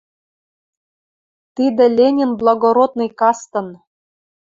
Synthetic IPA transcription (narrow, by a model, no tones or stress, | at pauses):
t̪id̪ɘ̆lʲenʲinblˠɑɡoɾot̪nɤ̆jkɑst̪ɤ̆n